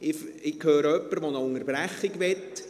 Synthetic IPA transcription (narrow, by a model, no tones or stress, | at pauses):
ɪɪkhøːɾəœpːəɾʋonəʊŋərb̥ræχːɪɡʋɛt̪ː